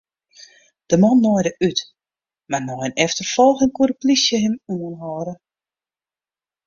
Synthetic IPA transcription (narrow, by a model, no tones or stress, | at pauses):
d̥əmɔnːɔjdəʔyt | marnɔɪnɛftərfɔlˠxənkuɾəplisjəɦɪmuənɦɔːɾə